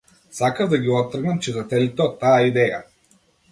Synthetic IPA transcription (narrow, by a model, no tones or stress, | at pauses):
sakəvd̪ɐɡʲiɔt̪ːɾəɡnəmt͡ʃɛzɐt̪ɛlit̪ɛɔt̪ːajaid̪ɛjə̰